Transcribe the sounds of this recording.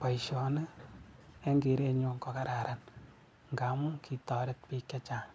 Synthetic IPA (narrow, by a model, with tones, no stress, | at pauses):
pa˨iʃɔ˨nə˦ | e˦ŋɡe˨˦ɾe˦ɲo˦ŋkɔ˨ka˦ɾa˨ɾʔa˨n | ŋɡa˨mu˦kʰi˨tɔ˨ɾɪ˦t̚pi˦kja˦t͡ʃa˨ŋ